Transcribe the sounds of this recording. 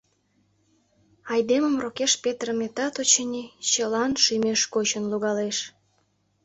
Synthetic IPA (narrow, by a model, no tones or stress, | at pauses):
ɑjd̪eməmrokeʃpʲet̪rəmet̪ɑt̪ot͡ɕenʲit͡ɕəlɑnʃymeʃkot͡ɕə̆nluɣɑleʃ